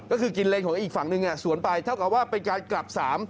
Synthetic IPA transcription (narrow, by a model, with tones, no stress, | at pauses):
kɔː˥˩kʰɯː˧ki˧nleː˧˩nkʰɔː˩˦ŋʔiː˨˩k̚fa˨˩˦ŋnɯ˧ŋʔa˧˩su˨˩˦ənpa˧jt̪ʰa˥˩wka˨˩p̚waː˥˩pe˧nkaː˧nkla˨˩p̚saː˩˦m